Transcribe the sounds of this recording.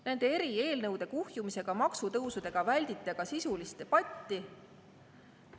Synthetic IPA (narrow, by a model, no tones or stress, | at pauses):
nænd̪̥e̞e̞ɾie̞ːlnɤwd̪̥e̞kuhjumise̞ɡ̥ɑmɑksut̪ɤwsud̪e̞ɡ̥ɑvælʲd̪it̪ːˑeɡ̥ɑsisulist̪ːe̞pɑt̪ʲˑːi